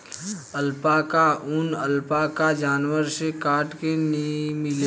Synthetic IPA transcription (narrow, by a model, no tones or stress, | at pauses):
əlpakaʊnəlpakad͡ʒaːnwəɾsekaːɾʈkenmɪle